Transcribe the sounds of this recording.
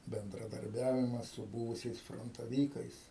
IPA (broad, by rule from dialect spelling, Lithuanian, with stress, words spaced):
bʲɛndrɐˈdɐrʲbʲɛʋʲɪmɐs sʊ ˈbuːʋʊsʲɛɪs froːntɐˈʋʲiːkɐɪs